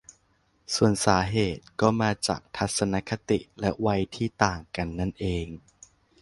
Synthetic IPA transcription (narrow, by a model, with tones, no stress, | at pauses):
su˨˩ənsaː˩˦ɦeː˨˩t̪̚kɔː˥˩maː˧t͡ɕa̰ː˨˩k̚t̪ʰa˦˥t̪̚sa˧na˦˥kʰa˧t̪i˨˩ʔlɛ˦˥wa˧jt̪ʰiː˥˩t̪aː˨˩ŋka˧nːa˥˩nʔeː˧ŋ